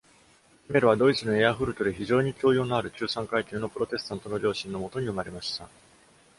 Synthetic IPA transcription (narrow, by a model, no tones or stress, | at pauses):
ime̞ɾɯβad̪o̞it͡sɨno̞e̞aɸɯ̟ɾɯ̟t̪o̞d̪eçiʑo̞ːɲ̟ikʲo̞ːjo̞ːnoaɾɯ̟t͡ɕɨːsãŋkait̪ʲeːno̞pɯ̟ɾo̞t̪e̞sɨ̥t̪ãnt̪o̞no̞ɾʲo̞ːɕĩnːo̞mo̞t̪o̞ɲ̟iɯ̟maɾe̞maɕi̥t̪a